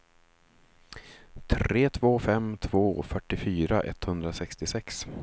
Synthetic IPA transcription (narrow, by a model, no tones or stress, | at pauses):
t̪ʰɾeːt̪ʰvoːfɛmt̪ʰvoːɔ̰fœʈːɪfyːɾaʔɛ̰t̪hɵnd̪ɾasɛkst̪ɪsɛks